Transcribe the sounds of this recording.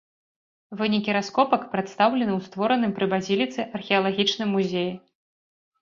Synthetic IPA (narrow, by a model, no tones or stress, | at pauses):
vɨnʲikʲiɾaskɔpɐkpɾɛt̪st̪awlʲɛnɨwst̪vɔɾɐnɨmpɾɨbazʲilʲit̪sɨʔɐrxʲɛɐlˠaɣʲit͡ʂnɨmːuzʲeji